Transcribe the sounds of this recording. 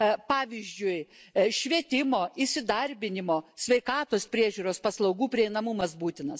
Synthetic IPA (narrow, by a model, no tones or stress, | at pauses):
pɑːʋʲiːzʲd͡ʒʲʊɪʃʲʋʲiɛt̪ʲɪmoːisʲɪd̪ɐɾʲbʲɪnʲɪmoːsʲʋʲɛɪkɑːt̪oːspʲɾʲiɛʒʲuːɾoːspɐslˠɐʊɡuːpʲɾʲiɛɪnɐmʊmɐsbuːt̪ʲɪnɐs